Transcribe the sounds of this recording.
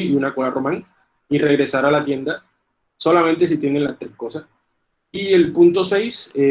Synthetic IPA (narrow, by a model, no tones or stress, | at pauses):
iunakolaromãŋ | ire̞ɣɾe̞saɾalat̪je̞nd̪a | so̞lamẽnt̪e̞s̬it̪jenenlast̪ɾehko̞sas | ie̞lpunt̪o̞se̞js